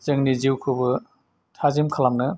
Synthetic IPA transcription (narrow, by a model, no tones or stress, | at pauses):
zɯŋniziwkʰɯbɯ | tʰazimkʰalamnɯ